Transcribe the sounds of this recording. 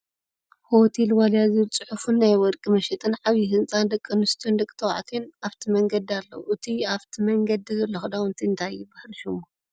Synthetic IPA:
hot̪ʰelwaljazit͡sʼɨħufunːajwɔɾkʼimɐʃɛt̪ʼɨnʕaβjiɦɨnt͡sʼand̪ɐkʼːɐnɨst̪ʰijond̪ɐkʼi̥t̪ʰɐwa̰ʕt̪ʰenaβt̪ʰimɐŋɡɐd̪ialːɐ̰wʔɨt̪ʰiaβt̪ʰimɐŋɡɐd̪izɐlːoxɨd̪awnt̪ʰiɨnt̪ʰajːɪbahlɨʃumu

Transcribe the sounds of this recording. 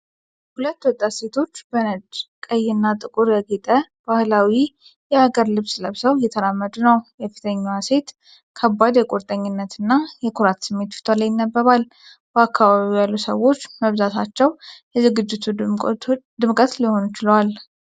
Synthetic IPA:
hulət̪ːwɔt̪ʼːat̪se̞t̪ʰo̞t͡ʃːbənəd͡ʒkʼəjːɪnːat̪ʼɨkʼuɾjɛɡet̪ʼəb̥ahlawi | jɛaɡəɾlɨβsləβsəwjɛt̪ʰəɾamːəd̪unəwjɛfi̥t̪ʰəɲːawase̞t̪ | kʰəbːad̪jɛkʼoɾt̪ʼəɲːɪnːət̪ʰɨnːajɛkʰuɾat̪sɨmːe̞t̪fi̥t̪ʰolajɪnːəbːəβal | b̥əakʰːaβaβijalːusə̰wo̞t͡ʃːməβzat̪ʰat͡ʃːɛwjɛzɨɡɨd͡ʒːɪt̪ʰu | d̪ɨmkʼət̪liho̞nt͡ʃɪləwal

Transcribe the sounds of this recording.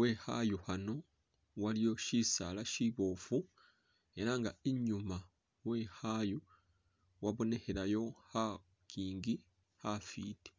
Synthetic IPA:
we̞ha̰juhano̞ | walijo̞ʃisa̰laʃiβo̞ːfu | e̞ɾaŋɡaiɲuma | we̞haju | waβo̞ne̞heɾajo̞ha | kiːŋɡi | hafiːti̥

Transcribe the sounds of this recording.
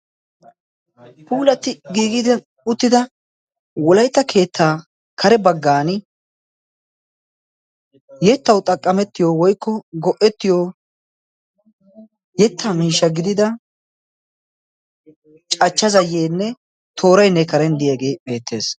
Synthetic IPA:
pʰuːlɐt̪ːɪɡiːɡɪd̪ɐ | ʊt̪ːɪd̪ɐ | wɔlɐjt̪ːɐkʰe̞ːt̪ʰːaː | kʰɐɾɛbɐɡːaːnɪ | jɛt̪ːɐwt̪ʼɐkʼːɐmɛt̪ːɪjowɔjkːɔɡɔʔɛt̪ːɪjo | jɛt̪ʰːamiːʃːɐɡɪd̪ɪd̪ɐ | t͡ʃʼɐt͡ʃːɐzɐjːeːnːɛ | t̪ʰo̞ːɾɐjnːɛkɐɾɛnd̪ɪjeɡe̞ːbe̞ːt̪ʰːe̞ːs

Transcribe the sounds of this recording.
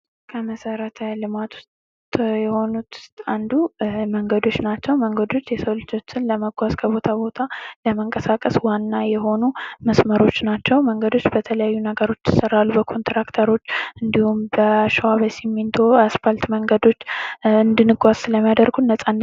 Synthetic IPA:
kʰəməsəɾət̪ʰalɨmat̪ʰu̥st̪ | jɛho̞nut̪ʰt̪and̪uməŋɡəd̪o̞t͡ʃːnat͡ʃːɛwməŋɡəd̪o̞t͡ʃːjɛsəwlɨt͡ʃʰot͡ʃːɪnləməɡʷazkʰəbo̞t̪ʰabo̞t̪ʰaləməŋkʼəsakʼəswanːajɛɦo̞numəsməɾo̞t͡ʃːnat͡ʃːɛwməŋɡəd̪o̞t͡ʃːbət̪ʰələjajːunəɡəɾo̞t͡ʃːjɪsəɾːalːubəkʰo̞nt̪ɾakt̪ʰəɾo̞t͡ʃːʔɨnd̪ihumbəʃwabəsimːɨnt̪ʰoasfalt̪məŋɡəd̪o̞t͡ʃːɨnd̪ɨnɨɡʷazsɨləmjad̪əɾɡunːəsʼan

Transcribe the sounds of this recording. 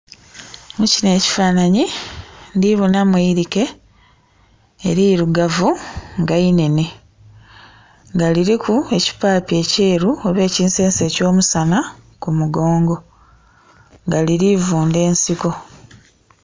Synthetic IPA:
mucine̞ːci̥faːnaɲindiβonamweiɾike̞ | ɾiɾuɡavuŋɡaine̞ne | ŋɡaliɾikʰue̞ci̥paːpie̞ːce̞ːɾuoβe̞ːciːnse̞ːnse̞co̞ːmusanakumuɡo̞ːŋɡo̞ | ŋɡaliɾivuːnde̞ːnsiko̞

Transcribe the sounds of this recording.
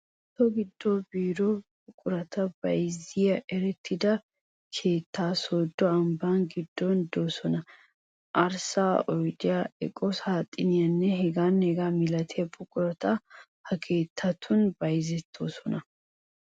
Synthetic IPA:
t̪ːɔɡɪd̪ːɔbiːɾɔbʊkʼʊɾɐt̪ɐb̥ɐjzɪjɐʔɛɾɛt̪ʰːɪd̪ɐ | kʰe̞ːt̪ːaːsoːd̪ːɔɐmbanɡɪd̪ːɔnd̪oːsɔnɐ | ʔɐɾsaːɔjd̪ɪjaɛ̰kʼɔshaːt̪ʼːɪnɪjɐnːɛɦɛɡaːnhɛɡaːmɪlɐt̪ʰɪjɐbʊkʼʊɾɐt̪ɐ | hɐkʰe̞ːt̪ʰːɐt̪ʰʊnbɐjzɛt̪ʰːoːsɔnɐ

